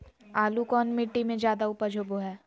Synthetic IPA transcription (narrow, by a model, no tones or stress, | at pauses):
aːlukɔːnmɪʈːimẽd͡ʒjaːd̪aʊpəɾd͡ʒʱoːboɦɛː